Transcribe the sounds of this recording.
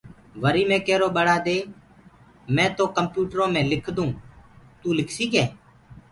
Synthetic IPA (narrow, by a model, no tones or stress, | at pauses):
ʋəɾiːmẽːkɛːɾoːɓəɽaːd̪eː | mɛ̃ːt̪oːkəmpjuːʈɾõːmẽːlɪkʰd̪ũː | t̪uːlɪkʰsiːkɛː